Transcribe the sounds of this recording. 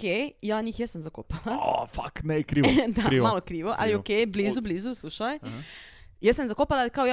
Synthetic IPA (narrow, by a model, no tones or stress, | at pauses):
kejjaːɲixjɛst̪amzakoːpalafa̰knɛikɾiːd̪aiʋmalokɾiːʋoʔa̰liokeːjbliːzubliːzusluːʃaj | jɛst̪amzakopalaalikaoj